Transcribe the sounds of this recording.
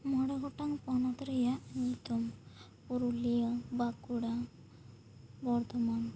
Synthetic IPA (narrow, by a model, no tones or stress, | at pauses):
mɔɽaɡɔʈaŋpɔnɔt̪ɾijaʔnit̪um | puɾulijəbakuɽa | bɔɾt̪ɔman